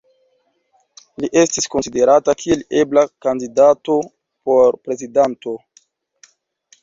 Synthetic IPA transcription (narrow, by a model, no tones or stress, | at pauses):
liʔe̞stisko̞nside̞ɾatakʰie̞le̞blakandidato̞ | po̞ɾpɾe̞zidanto̞